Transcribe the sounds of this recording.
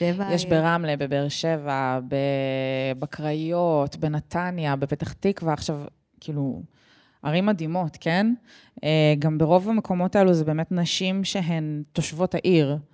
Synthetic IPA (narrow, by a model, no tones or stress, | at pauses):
ejeʃbeʁamlebebeʁʃevabebakʁajotbenat̪ʰanjabepetaχtikveaχʃav | kʰiːlu | ʔaʁimːad̪imo̞tkʰen | eɡambeʁo̞vamekʰo̞mo̞taeluzɛbe̞ːmetnaʃimʃeɦemt̪o̞ʃvo̞thaʔiʁ